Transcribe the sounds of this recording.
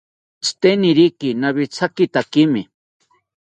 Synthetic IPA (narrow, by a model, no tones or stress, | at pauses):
t͡st̪eniɾikinaβit͡sʰakit̪akimi